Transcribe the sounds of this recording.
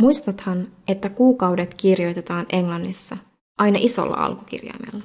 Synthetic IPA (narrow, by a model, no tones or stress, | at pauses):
mujst̪ɑt̪hɑne̞t̪ːækuːkɑwdet̪kirjo̞jt̪et̪ɑːnʔe̞ŋlɑnːisːɑ | ʔɑjnɑʔiso̞̰lːɑ̰ʔɑ̰lkuk̟ḭrjɑ̰jmḛlːɑ